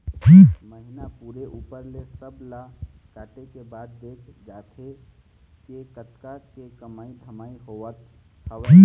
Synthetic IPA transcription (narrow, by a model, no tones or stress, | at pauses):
d͡ʒiməɦinapuɾeʔupəɾlesəblakaːʈekebad̪̚ːekʰd͡ʒat̪ʰe | kekət̪kakekəmaːid̪ʱəmaːiɦoət̪ | həd͡ʒiː